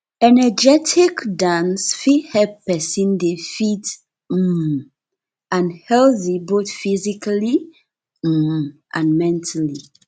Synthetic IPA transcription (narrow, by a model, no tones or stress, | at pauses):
ɛnɛd͡ʒɛtʰikdãnsfihɛppɛsĩndifit | m̩ | ãnhɛlθiboθfizikali | m̩ʔãnmɛ̃ntʰali